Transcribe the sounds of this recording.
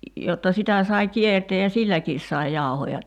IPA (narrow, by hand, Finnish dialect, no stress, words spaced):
jotːɑ sitæ sɑi kierteː jɑ silːækiːs sɑi jɑˑu̞hojɑ